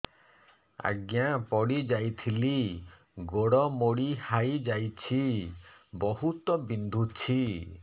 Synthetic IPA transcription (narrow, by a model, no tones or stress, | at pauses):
a̰ɡjapɔɽid͡ʒajt̪ʰili | ɡoɽɔmoɽihajd͡ʒajt͡ʃʰi | bɔɦut̪ɔbind̪ʱut͡ʃʰi